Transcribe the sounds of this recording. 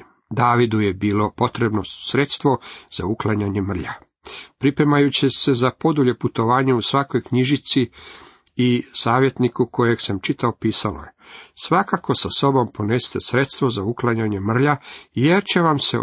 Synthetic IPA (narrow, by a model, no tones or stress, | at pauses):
d̪aːʋid̪ujebiːlo̞po̞t̪ɾe̞bnosɾet̪st̪ʋo̞z̥a̰uklˠaɲaɲe̞mr̩ʎa | pɾipɾemajut͡ɕese̞zapo̞d̪uʎe̞put̪o̞ʋaːɲeusʋako̞jkɲiʒit̪si | isaːʋje̞t̪nikuko̞je̞ɡsamt͡ʃit̪aopiːsalo̰jesʋakako̞saso̞bo̞mpo̞nest̪esɾe̞t̪st̪ʋo̞zauklˠaɲaɲe̞mr̩ʎajeɾt͡ɕe̞ʋamsḛ